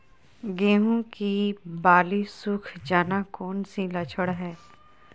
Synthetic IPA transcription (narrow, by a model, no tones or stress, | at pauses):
ɡeːɦõkibaːlisʊkʰd͡ʒaːnakoːnsilɐt͡ʃʰəɽɦɛː